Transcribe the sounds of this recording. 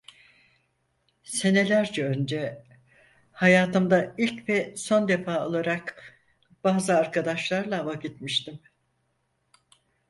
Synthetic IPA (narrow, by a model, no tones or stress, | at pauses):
se̞ne̞lʲæɾd͡ʒɛø̞nd͡ʒɛ | hajaːt̪ʰɯmd̪ailʲcvɛso̞nd̪e̞faːo̞lˠaɾak | b̥aːzɯaɾkʰad̪aʃlˠaɾlˠaːvaɟit̪miʃt̪im